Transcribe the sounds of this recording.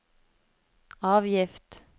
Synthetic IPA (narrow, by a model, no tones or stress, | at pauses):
ɑːʋjɪft̪